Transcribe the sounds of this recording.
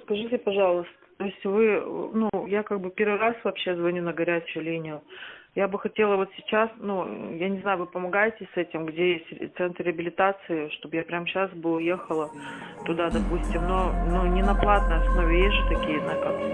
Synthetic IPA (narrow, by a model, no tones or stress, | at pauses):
skɐʐɨtʲɪpɐʐɑlˠəst̪ə̥t̪o̞ɪsʲtʲvɨnujakaɡ̚bɨpʲe̞ɾvɨɾasvɐpɕːe̞zvɐnʲunəɡɐɾʲæt͡ɕʊjʊlʲinʲɪjʊjabɨxɐtʲe̞lˠəvo̞t̪sʲɪt͡ɕasnujanʲɪznajʊvɨpəmɐɡajɪtʲɪsɛtʲɪmɡdʲejesʲtʲt̪sɛnt̪ʲɪəbʲɪlʲɪt̪at̪sɨɪʂt̪o̞bjapɾʲamɕasbɨlˠje̞xəlˠət̪ʊd̪ad̪ɐpusʲtʲɪmno̞nonʲɪnɐplˠat̪̚nəjɐsno̞vʲɪjeʒɨt̪ɐkʲijəznakak